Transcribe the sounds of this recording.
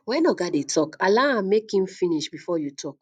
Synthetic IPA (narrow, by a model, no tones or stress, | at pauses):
wɛ̃nɔɡadetʰɔkalããmekhĩmfĩniʃbifɔjutʰɔk